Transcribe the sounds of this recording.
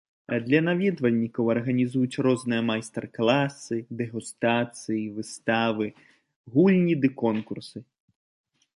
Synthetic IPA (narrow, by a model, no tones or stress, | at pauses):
ɐd̪lʲɐnavʲɛd̪vɐlʲnʲikɐwɐrɣɐnʲizujut͡sʲrɔznɨjɐmajst̪ɛrklˠasɨd̪ɛɣust̪at̪sɨjivɨst̪avɨ | ɣulʲnʲid̪ɨkɔnkursɨ